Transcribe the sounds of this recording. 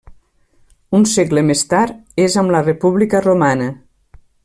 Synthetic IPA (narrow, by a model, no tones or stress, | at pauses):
unseɡləmest̪aɾezəmlərepuβlikəromanə